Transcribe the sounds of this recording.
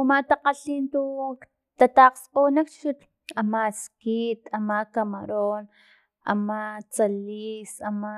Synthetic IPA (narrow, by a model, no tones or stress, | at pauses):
umat̪aqaɬiːnt̪u | t̪at̪aqsqoːnakʃut̪ | amaskit̪amakamaɾoːn | a̰mat͡saliːsama